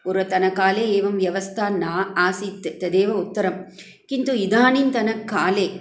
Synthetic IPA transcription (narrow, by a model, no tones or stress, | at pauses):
ʊɾɐt̪ɐnɐkːaːleːeːʋɐmʋjɐʋɐst̪ʰaːnaːaːsit̪ːt̪ːɐd̪eːʋɐʊt̪ːɐɾɐm | kɪnt̪uɪd̪aːnint̪ɐnɐkːaːleː